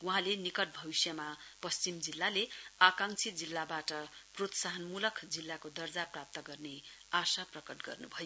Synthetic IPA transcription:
wuɦãlenikʌʈ̚bʱʌbisjʌmapʌst͡simd͡zilːaleakãŋt͡sʰid͡zilːabaʈʌprot̪saɦʌnmulʌkʰd͡zilːakod̪ʌrd͡zaprap̚t̪ʌɡʌrneasaprʌkʌʈɡʌ̰rnubʱʌjo

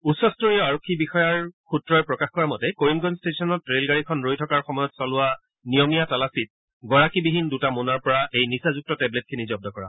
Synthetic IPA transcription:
usːɔstoɹijɔaɹɔkʰːibixɔjaɹkʰutɹɔjpɹɔkaxkɔɹamɔtɛkoɹimɡɔnstesɔnɔtːɹelɡaɹikʰɔnɹojtʰɔkaɹxɔmɔjɔtsalʊwa | nijɔmijatalasit̚ | ɡɔɹakibiɦindutamunaɹpɔɹaʔejnisazuk̚tɔtɛblet̚kʰinizɔb̚dɔkɔɹa̰

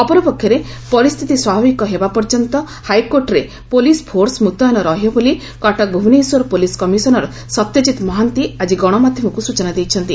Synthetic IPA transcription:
ɔpɔɾɔpɔkʰjɔɾe | pɔɾist̪ʰit̪iswabʱabikɔɦebapɔɾd͡ʒɔnt̪ɔ | hajkoɾʈɾe | polispʰoɾsmut̪ɔjɔnɔɾɔɦjɔboli | kɔʈak̚bʱubniswɔɾɔpoliskɔmisɔnɔɾɔ | sɔt̪jɔt͡ʃit̪mɔɦant̪iad͡ʒiɡɔɽ̃ɔmad̪ʱjɔmɔkusut͡ʃɔnad̪ejt͡ʃʰɔnt̪i

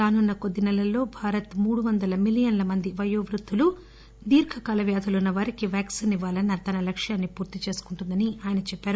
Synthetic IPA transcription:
ɾaːnunːɐko̞d̪ːinɛlɐlːo̞ːbʱaːɾɐt̪muːɽuʋɐnd̪ɐlɐmilijɐnlɐmɐnd̪iʋɐjoːʋɾut̪ʰːulu | d̪iːɾkʰɐkaːlɐʋjaːd̪ʰʱɐlunːɐʋɐɾikiʋjaːksiniʋaːlɐnːɐt̪ɐnɐlɐkʂjaːnːipuːɾt̪it͡ʃe̞ːsu̥kuɳʈund̪ɐniaːjɐnɐt͡ʃɛpːaːɾu

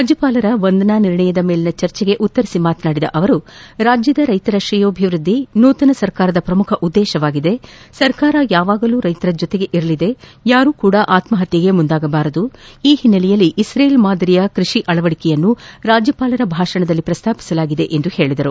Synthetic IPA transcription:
aːd͡ʒɐpaːlɐɾɐʋond̪ɐnaniɾɳɐjɐd̪ɐme̞ːlinɐt͡ʃɐɾt͡ʃɛɡe̞ʔut̪ːɐɾisimaːt̪naːɽid̪ɐ̰ʔɐʋɐɾuɾaːd͡ʒjɐd̪ɐɾɐjt̪ɐɾɐʃɾijoːɐbʱiʋɾud̪ʱːinuːt̪ɐnɐsɐɾkaːɾɐd̪ɐpɾɐmukʰɐʔud̪ːɛːʃɐʋaːɡid̪e̞sɐɾkaːɾɐjaːʋaːɡɐluːɾɐjt̪ɐɾɐd͡ʒɔt̪e̞ɡe̞ʔiɾɐlid̪e̞jaːɾuːkuːɽɐʔaːt̪mɐɦɐt̪jɐɡe̞mund̪aːɡɐbaːɾɐd̪uiːhinːɐlɛjɐlːiʔːsɾeːjlmaːd̪ɐɾijɐkɾiʂiʔɐɭɐʋɐɽikɛjɐnːuɾaːd͡ʒjɐpaːlɐɾɐbʱaːʂɐɳɐd̪ɐlːipɾɐst̪ʰaːpi̥sɐlaːɡid̪e̞ʔend̪uhe̞ːɭid̪ɐɾu

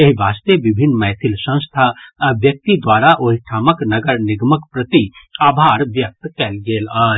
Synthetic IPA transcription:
jɐɦibaːst̪eʋɪbʱɪnːmɛːt̪ʰɪlsə̃st̪ʰaʋjək̚t̪id̪waːɾaʔoːɦiʈʰaːməknəɡəɾnɪɡməkpɾət̪iaːbʱaːɾʋjək̚t̪kɛlɡeːlaː

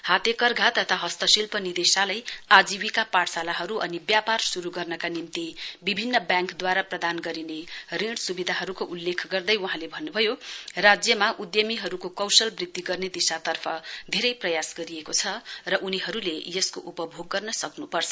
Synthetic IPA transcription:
hat̪ekʌrɡʱat̪ʌt̪ʰaɦʌst̪ʌsilpʌnid̪esalajad͡ziwikapaʈsalaɦʌɾuʔʌnibjaparsuɾuɡʌrnʌkanimt̪ibibʱinːʌbjãŋkd̪waɾaprʌd̪anɡʌɾineriɽsubid̪ʱaɦʌɾukoʔulːekʰɡʌrd̪ʌjwuɦãlebʱʌnːubʱʌjorad͡zjʌmaʔud̪jʌmiɦʌɾukokʌwsʌlbrid̪ːiɡʌrned̪isat̪ʌrpʰʌd̪ʱeɾʌjprʌjasɡʌɾiekot͡sʰʌrʌʔuniɦʌɾulejʌskoʔupʌbʱoɡːʌrnʌsʌknupʌrt͡sʰʌ

